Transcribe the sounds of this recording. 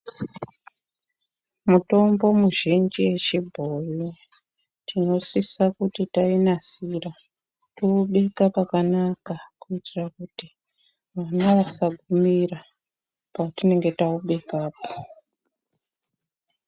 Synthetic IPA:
muto̞mbo̞muʒind͡ʒiwe̞t͡ʃibʱoju | tʰino̞sisakutitainasira | touɓe̞kapakanakakuitirakuti | ʋanaʋasaɡʱumira | patine̞ŋɡe̞tauɓe̞kaːpo̥

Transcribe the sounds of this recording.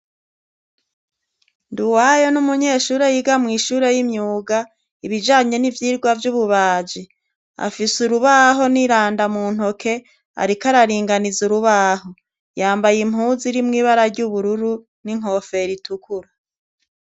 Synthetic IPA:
nduwajo̞numuɲe̞ːʃuːɾe̞jiɡamŋiːʃuːɾe̞jimɲuːɡa | iβid͡ʒaːɲe̞nivjiːɾɡwavjuβuβaːd͡ʒi | a̰fisuɾuβaɦo̞niɾaːndamuːn̥ho̞kʰe̞ | a̰ɾikaɾaɾiːŋɡanizuɾuβaːɦo̞ | jaːmbajim̥ɦuːziɾimŋiːβaɾaɾɟuβuɾuɾu | niŋ̥ɦo̞fe̞ɾitukuɾa

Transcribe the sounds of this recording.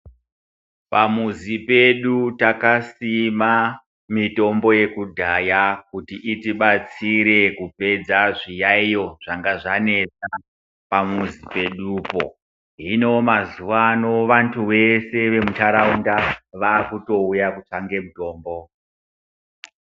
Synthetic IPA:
pamuzipeɗutakasima | mito̞mbo̞je̞kudʱajakutiʔitiɓat͡siɾe̞kupe̞d͡zaʐijaijo̞ʐ̥aŋɡaʐane̞t͡sa | pamuzipe̞ɗupo̞̰ | ɦino̞mazuʋano̞ʋantʰuʋe̞se̞ʋe̞mutaɾaundaʋaːkuto̞ujakut͡ʂaŋɡe̞muto̞ːmbo̞

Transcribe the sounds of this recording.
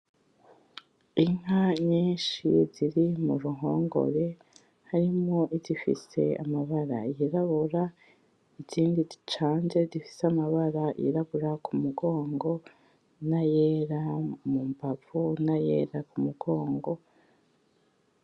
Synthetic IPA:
iŋ̥ɦaɲiːnʃiziɾimuɾuɦo̞ːŋɡo̞̰ɾe̞ | haɾimŋo̞ʔizifḭse̞̰a̰maβaɾa̰jiɾaβuɾa | iziːndizi̥t͡ʃaːnze̞zifi̥seamaβaɾajḭɾaβuɾakʰumuɡo̞ːŋɡo̞ | najeːɾamumbavunajḛːɾakumuɡ̥o̞ːŋɡo̞

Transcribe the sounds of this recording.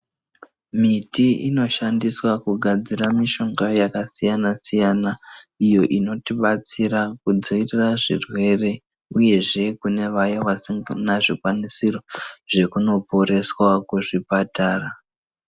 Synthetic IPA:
mitiino̞ʃandiswakuɡʱad͡ziɾamiʃo̞ŋɡajakasijanasijanaijo̞ʔino̞tiɓat͡siɾakud͡zo̞iriraʐḭrwe̞re̞ | uje̞ʐe̞kune̞ʋajaʋasiŋnaʐikwanisiro̞ʐ̥e̞kuno̞po̞ɾe̞swakuʐipataːra

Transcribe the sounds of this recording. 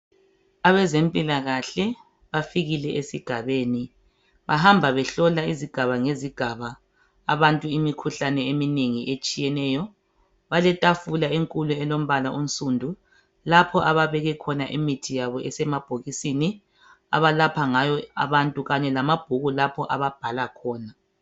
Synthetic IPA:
aβɛzempʼilaɣaɬɛ | βafiɣilɛʔesiɡ̥ʱaβeːni | βaɦambʱaβɛɬɔlaiziɡ̥ʱaβaŋeziɡ̥ʱaβaː | βantʼuimikʰuɬanɛemineŋiʔet͡ʃʼijɛnɛːjɔ | βalɛtʼafulaeŋkʼuluɛlom̩βalaʔom̩sʼuːndʱu | lapʰɔʔaβaβɛɣɛkʰɔnaʔimitʰijaβɔʔɛsɛmab̥ʱoɣisini | a̰βalapʰaŋajɔa̰βantʼuɣaɲɛlamab̥ʱuɣulapʰɔʔaβab̥ʱalakʰɔːna

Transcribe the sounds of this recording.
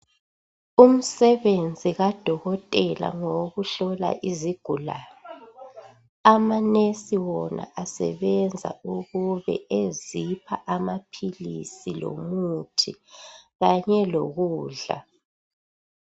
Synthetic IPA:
um̩sɛβend͡zʱiɣad̥ʱɔɣɔtʼɛla̰ŋoɣuɬɔla̰ʔiziɡ̥ʱulaːnɔ | amanesiwɔnʔa̰ʔasɛ̰βɛnd͡zʱa̰uɣuβɛ̰ezipʰaʔamapʰilisilo̰mutʰiɣaɲɛlo̰ɣuːɮa̰

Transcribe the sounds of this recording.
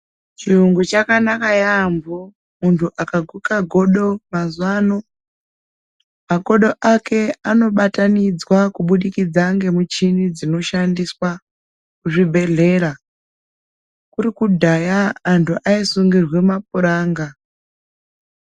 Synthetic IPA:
t͡ʃiruŋɡut͡ʃakanakajambo | muntʰuʔakaɡʱukaɡʱo̞ɗo̞mazwano̞ | mako̞ɗo̞ʔake̞ano̞ɓatanid͡zwakuɓuɗikid͡zaŋɡe̞mut͡ʃinid͡zino̞ʃandiswa | kuʐibʱe̞ɮe̞ːɾa | kuɾikudʱajaːntʰuʔaisuŋɡirwemap̚uɾaːŋɡa

